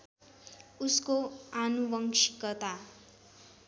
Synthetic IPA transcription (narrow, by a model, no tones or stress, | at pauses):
uskoanuwʌŋsikʌt̪a